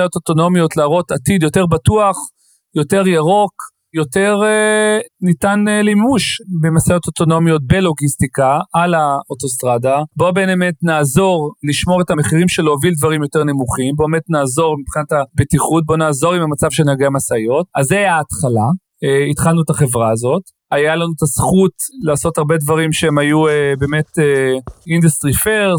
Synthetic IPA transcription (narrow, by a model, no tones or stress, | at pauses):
ajo̞toto̞no̞mjo̞tlaːʁo̞tatidjo̞te̞ʁbatuaχ | jo̞te̞ʁjaʁo̞k | jo̞te̞ʁ | nitanlimuʃbemasajo̞toto̞no̞mjo̞t̚be̞lo̞ɡist̪ikaalaoto̞st̪ʁadabo̞be̞ːnemetnaːzo̞ʁliʃmo̞ʁe̞tame̞χiʁimʃe̞lovildvaʁimjo̞te̞ʁne̞muχimbo̞eme̞tnaːzo̞ʁmipχinatabetiχut̚bo̞naːzo̞ʁimamat͡sav̥ʃenaɡeamasajo̞t̚azeaːtχala | eitχalnuetaχe̞vʁaːzo̞t | ajalanut̪asχutlaːso̞taʁbe̞dvaʁimʃeemajuebe̞ːme̞teindust̪ʁifeʁ